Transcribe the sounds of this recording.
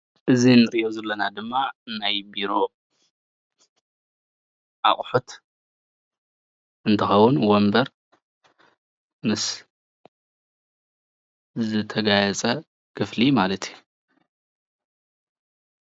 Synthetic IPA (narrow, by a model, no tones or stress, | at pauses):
ʔɨzinɨɾiʔozɐlːɐnad̪ɨmːanajbiɾo̞ | ʔa̰χʼħut̪ | ʔɨnt̪ʰɐxɐwʊnwombɐɾ | mɨs | zɨt̪ʰɐɡajɐt͡sʼɐ | kʰɨflimalɐt̪ju